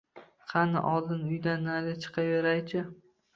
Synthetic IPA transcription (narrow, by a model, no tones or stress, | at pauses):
qʰɑnɪ̰ʔɒlˠd̪ɪnʊjd̪anːalɪt͡ʃʰɨ̥qʰɑve̞ɾajt͡ʃʰɪ